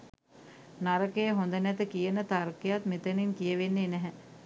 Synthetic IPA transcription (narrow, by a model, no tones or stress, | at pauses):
naɾəkəjəɦond̪ənæt̪əkijənət̪arkejat̪mit̪əniŋkijəʋenːenɛɦɛ